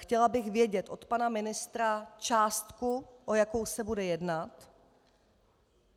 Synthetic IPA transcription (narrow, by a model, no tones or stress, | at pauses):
xcɛlabɪɣvjɛɟɛt̪ʔo̞t̪panamɪnɪst̪ɾat͡ʃaːst̪kuʔojakowsɛbudɛjɛdnat̪